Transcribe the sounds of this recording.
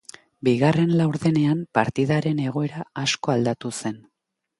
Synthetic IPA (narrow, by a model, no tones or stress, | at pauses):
biɣarenlawɾðe̞ne̞ampaɾt̪iðaɾe̞ne̞ɣ̞o̞e̞ɾaasko̞ald̪at̪use̞n